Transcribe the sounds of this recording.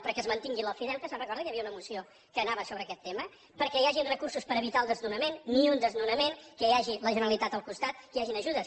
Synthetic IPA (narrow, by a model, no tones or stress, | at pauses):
pəɾkɛəzmənt̪iŋɡiləfiðɛlkəsə̃nrəkɔɾðəkjəβiəunəmusio | kəːnaβəsoβɾəːkɛt̪ːemə | pəɾkɛjaʒinrəkuɾsuspəɾəβit̪aəlˠd̪əznunəmenːiund̪əznunəmeŋkəjaʒiləʒənəlit̪at̪əlˠkust̪at̪̚kjaʒinəʒuðəs